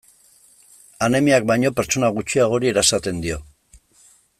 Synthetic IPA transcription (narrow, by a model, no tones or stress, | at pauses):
ane̞miak̚bajɲo̞pe̞ɾt͡ʃo̞naɣ̞ut͡ʃiaɣ̞o̞ɾie̞ɾaesat̪e̞nd̪io̞